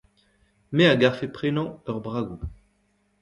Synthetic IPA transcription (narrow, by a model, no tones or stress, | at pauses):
meaɡaʁfepχenɑ̃œʁbʁaɡu